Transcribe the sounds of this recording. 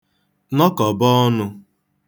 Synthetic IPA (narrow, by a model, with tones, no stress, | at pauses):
nɔ˦kɔ˨bɔ˦nʊ˧